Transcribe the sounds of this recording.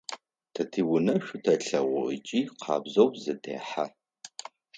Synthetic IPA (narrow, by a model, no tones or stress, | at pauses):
tʰɐtʰiːwʊnɐʃʷʊtʰɐɬɐʁʷʊət͡ʃʼiːqʰɑ̰ːbzowzɨdʰḛːħa